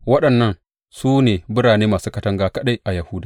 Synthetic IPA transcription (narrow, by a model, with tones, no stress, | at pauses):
wɐ˦ɗɐ˨nːɐ˦ŋ | suː˦neː˨bʊ˦ɽaː˨neː˦maː˨suː˦kɐ˦tɐ˦ŋɡaː˦kɐ˦ɗa˦jʔa˨jɐ˨hʊ˦daː˨